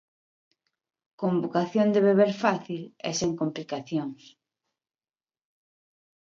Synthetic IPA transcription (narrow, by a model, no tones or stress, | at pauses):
kombokaθjond̪eβeβeɾfaθilɛ̰seŋkomplikaθjoŋs